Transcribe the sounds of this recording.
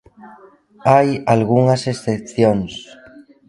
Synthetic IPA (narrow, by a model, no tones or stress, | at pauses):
ajalɣuŋasesθepθjoŋs